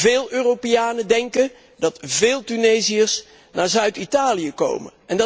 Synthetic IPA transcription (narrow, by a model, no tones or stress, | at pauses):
vɪːlˠøːrowpeaːnədɛŋkən | dɑtvɪːlˠtynejziəs | naːɹzœɥtitaːlijəko̰wmə̰nʔɛnd